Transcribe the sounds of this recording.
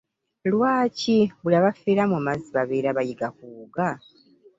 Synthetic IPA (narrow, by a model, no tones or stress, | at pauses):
lwaːciβulaβafiɾamuamaziβaβeːɾaβajiɡakuːɡa